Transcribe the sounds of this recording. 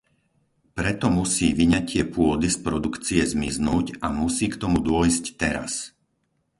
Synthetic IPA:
pɾɛt̪ɔmusiːʋiɲacɪɛpʊɔd̪ispɾɔd̪ukt͡siɛzmiznuːcamusiːkt̪ɔmud̪ʊɔjsct̪ɛɾa̰s

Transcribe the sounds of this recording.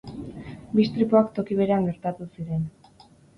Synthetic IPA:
bist̪ɾipuakt̪o̞kiβ̞e̞ɾeaŋɡe̞ɾt̪at̪usiɾe̞n

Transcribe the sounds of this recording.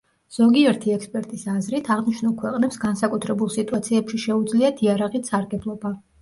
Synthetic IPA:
z̥ɔɡiɛɾt̪ʰiɛkspʼɛɾt̪ʼisazɾit̪ʰaʁniʃnulˠkʰwɛqʼnɛpsɡansakʼut̪ʰɾɛbulˠsit̪ʼuat̪sʰiɛpʃiʃɛud̪zliat̪ʰiaɾaʁisaɾɡɛblˠɔba

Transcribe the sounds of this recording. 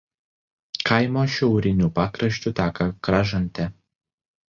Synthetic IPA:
kɐɪmoːʃʲɛʊɾʲɪnʲuˑpɑːkɾɐʃʲt͡ʃ̪ʲut̪ʲæːkɐkɾɑʒɐnʲˑt̪ʲɛ

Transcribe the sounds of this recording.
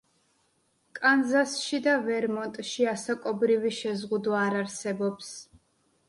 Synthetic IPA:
kʼanzasʃid̪avɛɾmɔnt̪ʼʃiasakʼɔbɾiviʃɛzʁud̪waːɾaɾsɛbɔps

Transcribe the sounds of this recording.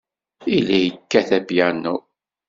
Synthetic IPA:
ilijəkːæθæbjænːu

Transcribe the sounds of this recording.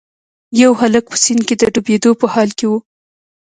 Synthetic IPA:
jawɦalək̚pə̥sinked̪əɖubed̪opəhɑlkewu

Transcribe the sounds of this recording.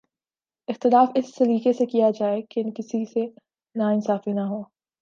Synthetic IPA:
ɪxt̪ɪlaːfɪsːɐɾiːkesekijad͡ʒaːekeɪnkɪsise | naɪnsaːfinaɦoː

